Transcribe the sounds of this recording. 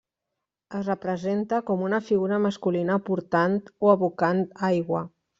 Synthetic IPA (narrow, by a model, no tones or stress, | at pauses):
əzrəpɾəzent̪əkɔmunəfiɣuɾəməskulinəpuɾt̪ant̪oəβukant̪ajɣwə